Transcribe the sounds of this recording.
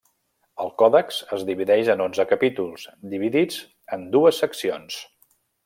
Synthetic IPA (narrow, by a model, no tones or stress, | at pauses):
əlˠkɔðəkzəzdiβiðɛʃənonzəkəpit̪ulˠzd̪iβiðid͡z | ənd̪uəsːəksions